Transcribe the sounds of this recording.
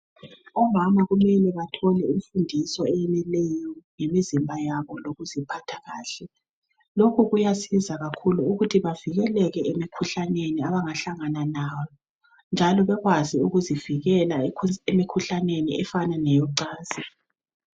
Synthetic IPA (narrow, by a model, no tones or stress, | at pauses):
ɔmamaɣumɛlɛβatʰɔlɛiɱfundʱisɔɛjɛnɛlɛjɔŋemizimbʱajaβɔloɣuzipʰatʰḁɣaːɬɛ | lokʰuɣujasizaɣakʰuluuɣutʰiβaviɣɛlɛɣɛʔemikʰuɬaneniaβaŋaɬaŋananaːjɔ | nd͡ʒʱalɔβɛɣwaziuɣuziviɣɛlaemikʰuɬanenḭɛfananɛjɔǀaːz̥ɛ